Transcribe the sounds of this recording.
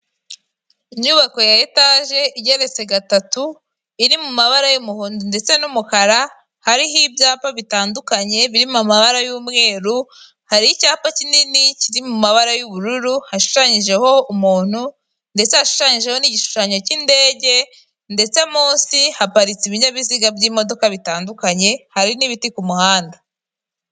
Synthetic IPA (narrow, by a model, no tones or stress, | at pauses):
iɲuβako̞jaetaʒe̞ʔiɟeɾe̞t͡se̞ɡatatu | iɾimumaβaɾajumuhːndinde̞t͡se̞numukaɾa | haɾiɦibjaːpaβitaːndukaɲe̞βiɾimamaβaɾajuːmŋe̞ːɾu | haɾiicaːpacininiciɾimumaβaɾajuβuɾuɾuhaʃu̥ʃaɲiʒe̞ho̞umuːn̥hu | nde̞t͡se̞haʃu̥ʃaɲiʒe̞ho̞niɟiʃu̥ʃaɲo̞cinde̞ːɟe̞ | nde̞t͡semuːnsihapaɾit͡siβiɲaβiziɡabɟiːmo̞do̞kaβitaːndukaɲe̞haɾiniβitikumuhaːnda